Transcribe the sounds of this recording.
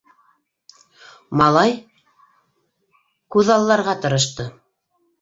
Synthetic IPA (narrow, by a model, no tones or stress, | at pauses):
mɑlˠɑj | kʉðɑlˠːɑɾʁɑt̪ɤ̆ɾɤ̆ʃ̬t̪ɤ